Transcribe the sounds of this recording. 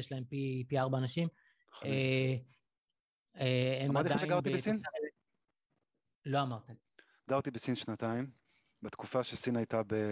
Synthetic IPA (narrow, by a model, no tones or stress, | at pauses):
jeʃlae̞mpipiaʁbaːnaʃim | e | eemmaʁt̪idaʃeɡaʁt̪ibesinae | lo̞amaʁt̪em | ɡaʁt̪ibesinʃnat̪aim | bet̪kufaʃesinajt̪abe